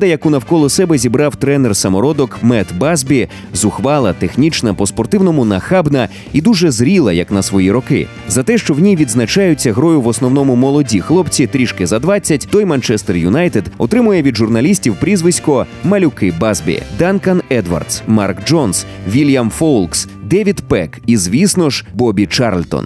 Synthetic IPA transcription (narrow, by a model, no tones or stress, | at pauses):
d̪ɐjɐkunɐwkɔlˠɔsɛbɛzʲibɾɑwt̪ɾɛnɛrsɐmɔɾɔd̪ɔkmɛt̪bazbʲi | zʊxʋɑlˠɐt̪exnʲit͡ʃnɐpɔspɔrt̪ɪwnɔmʊnɐxabnɐ | id̪uʒɛzɾʲilˠɐjɐknɐsʋɔjiɾɔkɪ̰ | zɐt̪ɛʃt͡ʃɔwnʲiʋʲid̪znɐt͡ʃajʊt͡sʲːɐɦɾɔjʊʋɔsnɔwnɔmʊmɔlˠɔdʲixlˠɔpt͡sʲit̪ɾʲiʃkɪzɐd̪ʋat͡sʲːɐtʲt̪ɔjmɐnt͡ʃɛst̪ɛrjʊnajt̪ed̪ɔt̪ɾɪmʊjɛʋʲid̪ʒʊrnɐlʲisʲtʲiwpɾʲizʋɪsʲkɔ | mɐlʲʊkɪbazʲbʲḭd̪ankɐnɛd̪ʋɐ̰rd̪smarkd͡ʒɔns | ʋʲilʲjɐmfɔlˠks | d̪ɛʋʲid̪pɛkizʋʲisnɔʒbɔbʲit͡ʃaɾlʲt̪ɔ̰n